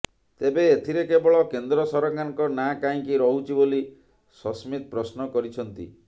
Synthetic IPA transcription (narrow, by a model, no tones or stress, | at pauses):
t̪ebeːt̪ʰiɾekebɔɭɔkend̪ɾɔsɔɾɔɡaŋkɔnakaĩkiɾɔɦut͡ʃʰiboli | sɔsmit̪̚pɾɔsnɔkɔɾit͡ʃʰɔnt̪ḭ